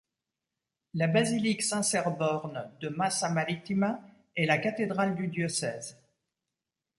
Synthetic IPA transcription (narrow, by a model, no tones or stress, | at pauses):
labaziliksɛ̃sɛʁbɔʁnd̪əmasamaʁit̪ima | ɛlakat̪ed̪ʁald̪yd̪jɔsɛːz